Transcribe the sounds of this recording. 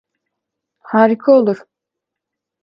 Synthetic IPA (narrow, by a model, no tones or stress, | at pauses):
haːɾikʰaolˠuɾ̥